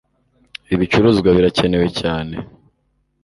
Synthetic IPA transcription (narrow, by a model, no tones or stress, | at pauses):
iβit͡ʃuɾuːzɡwaβiɾace̞ne̞we̞caːne̞